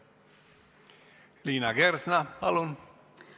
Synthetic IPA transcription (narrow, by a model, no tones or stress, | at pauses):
liːnɑɡersnɑpɑlun